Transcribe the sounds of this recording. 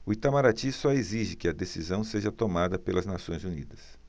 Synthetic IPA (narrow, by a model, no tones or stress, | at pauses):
ʊit̪amaɾat͡ʃisɔeziʒɪkɪɐd̪esizɐ̃w̃seʒɐt̪omad̪ɐpelɐznasõj̃zunid̪ɐs